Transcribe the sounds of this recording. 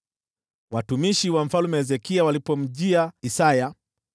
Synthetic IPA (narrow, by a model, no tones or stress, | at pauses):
watumiʃiwam̩falumɛzɛkiawalipɔm̩ʄiaisaja